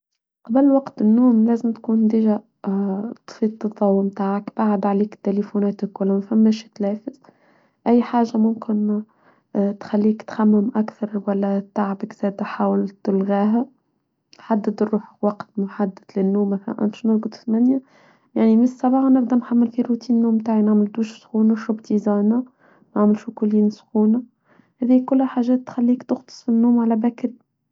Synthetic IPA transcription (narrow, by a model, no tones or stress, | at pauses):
qɑblwɑqt̪ɪnːuːmlæːzɪmt̪kuːnd̪iːʒæ | t̪ˤfiːt̪̚t̪ːɨt̪ˤːɑwːmt̪aːʕakb̥aʕad̪ʕaliːkt̪ːelifunɛːt̪ɪkwælːæmæfæmːæʃt̪læːfɪz | ʔæjːħaːʒːamʊmkɪn | t̪xælːiːkt̪xamːɪmʔækθɑɾˤwælːæt̪aʕbɪkz̥æːd̪ħaːwɪlt̪ɪlɣiːɦæ | ħad̪ːɪd̪rːuːħwɑqt̪mʊħad̪ːɪd̪lɪnːuːmːæθælæ̰nʔæ̰mʃnəɾɡʊd̪ˤθmænja | jaʕnimɪsˤːɑbɑːxɑnɪb̚d̪ænħamːɪlfiɾut̪iːnːuːmmt̪aːʕinaʕmɪld̪uːʃsˤxuːnaʃʊbt̪izɑːna | maʕmɪlʃukʊljiːnsˤxuːna | hæðiːhkʊlːhæħaʒɛːt̪ːxælːiːkt̪ʊxt̪ˤɨ̥sˤfinːuːmʕalæbækɪl